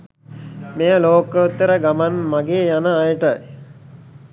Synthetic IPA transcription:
mejəloːkəut̪ːəɾəɡamanmaɡeːjanəajəʈəj

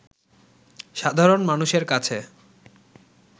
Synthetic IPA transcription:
ʃad̪ʱaɾonmanuʃeɾkat͡ɕʰe

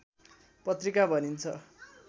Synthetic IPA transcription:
pʌt̪rikabʱʌnint͡sʰʌ

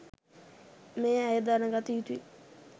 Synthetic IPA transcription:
meːæjəd̪aːnəɡat̪əjut̪ui

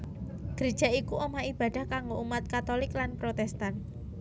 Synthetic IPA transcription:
ɡ̥ɾed̥ʒ̥a̤ikuʔomaib̥a̤d̥a̤hkaŋɡoumat̪̚kat̪olɪklanpɾot̪ɛst̪an

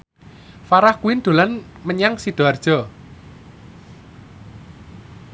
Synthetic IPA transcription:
faɾahkuwind̪̥o̤lan | məɲaŋsid̪̥o̤ard̥ʒ̥ɔ̤

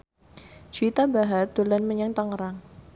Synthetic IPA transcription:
d͡ʒ̥uit̪abaɦad̪̥əlanməɲaŋt̪aŋəɾaŋ

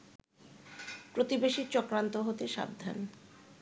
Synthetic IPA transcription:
pɾot̪ibeʃiɾt͡ɕɔkɾant̪oɦot̪eʃa̰b̚d̪ʱːa̰n

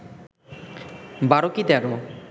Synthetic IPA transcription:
baɾokid̪ɛɾo

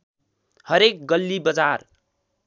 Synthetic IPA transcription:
hʌɾek̚ɡʌlːibʌd͡zar

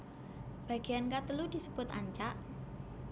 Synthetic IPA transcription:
b̥ä̤ɡ̥ejankat̪əlud̪̥i̤səb̥ʊt̪a̰ɲt͡ʃaʔ

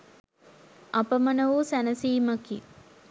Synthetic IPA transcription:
ɐpəmɐnəʋusænəsiːməki

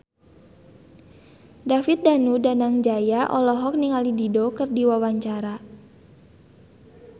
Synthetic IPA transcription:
dafit̪̚danudanaŋd͡ʒajaʔɔ̰lɔɦɔk̚niŋalididokɨrdiwawaɲt͡ʃaɾa

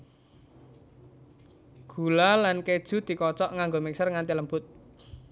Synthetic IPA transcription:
ɡ̥ṳlalanked̥ʒ̥ṳd̪̥i̤kɔt͡ʃɔʔŋaŋɡomiksərŋant̪iləmbʊt̪̚

